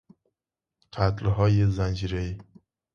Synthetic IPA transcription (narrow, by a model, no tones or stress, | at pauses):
qʰat̪lɦɔjizand͡ʒiɾai